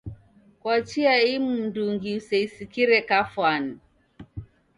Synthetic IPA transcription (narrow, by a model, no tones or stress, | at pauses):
kwat͡ʃiaimunduŋɡiusɛisikiɾɛkafwani